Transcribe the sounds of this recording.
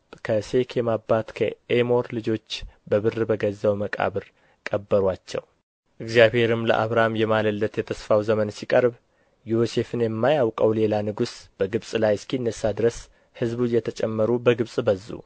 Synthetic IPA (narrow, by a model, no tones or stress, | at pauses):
kʰəse̞kʰjɛmabːat̪kʰə̰ʔemo̞ɾlɨd͡ʒo̞t͡ʃːbəβɨrːɨbəɡəzːawməkʼa̰βɨɾ | kʼəbːəɾwat͡ʃːɛ̰w | ʔɨɡzjaβhe̞ɾɨmlə̰ʔa̰βɾamjɛmaləlːət̪jɛt̪ʰəsfawzəmənsikʼəɾb | jose̞fɨnjɛmːajawkʼəwle̞lanɨɡusb̥əɡɨβsʼlajɪskiɨnːəsːad̪ɾəs | hɨzbujɛt̪ʰət͡ʃʼɛmːəɾubəɡɨβsʼbəzːṵ